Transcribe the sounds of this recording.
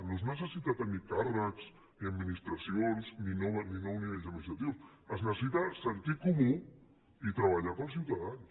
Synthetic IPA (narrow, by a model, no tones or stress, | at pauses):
noznəsəsit̪at̪ənikarəkz̥ | niəd̪minist̪ɾəsionzninɔninɔwniβeʎzəmist̪ɾət̪iws | əznəsss̬it̪asənt̪ikumu | it̪ɾəβaʎapəlˠs̬iwt̪aðans